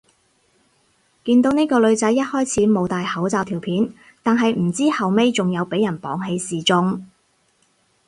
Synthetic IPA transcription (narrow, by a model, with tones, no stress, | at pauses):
kiː˧nt̪o˨˥wne˥jkɔː˧lɵ˨˧ɥt͡sɐ˨˥jːɐ˥t̚hɔː˥jt͡sʰiː˨˥mo˨˧wt̪aː˨jhɐ˨˥wt͡saː˨˧wt̪ʰiː˨˩wpʰiː˨˥n | t̪aː˨nɦɐ˨jm̩˨˩t͡siː˥hɐ˨wme˥jt͡sʊ˨ŋjɐ˨˧wpe˨˥jɐ˨˩npɔ̰ː˨˥ŋɦe˨˧jsiː˨˩t͡sʊ˧ŋ